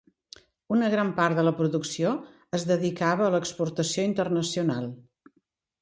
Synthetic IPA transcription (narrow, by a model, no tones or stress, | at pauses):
unəɣɾampart̪ðələpɾuðuksio | əzðəðikaβəːləkspurt̪əsioint̪ərnəsiunalˠ